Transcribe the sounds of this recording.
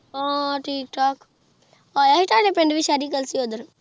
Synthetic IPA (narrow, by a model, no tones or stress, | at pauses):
aːʈʰiːk̚ʈʰaːk | ajɐɦiʈaɖepẽɳɖʋiʃaːɾikəlsiod̪əɾ